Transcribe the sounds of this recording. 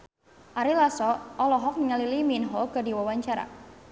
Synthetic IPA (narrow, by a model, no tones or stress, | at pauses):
ʔaɾilasɔʔɔlɔɦɔk̚niŋaliliminɦɔɡadiwawaɲt͡ʃaɾa̰